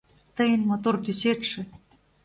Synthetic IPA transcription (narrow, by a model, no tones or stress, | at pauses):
t̪ə̆jə̆nmot̪ort̪yset̪ʂɘ̆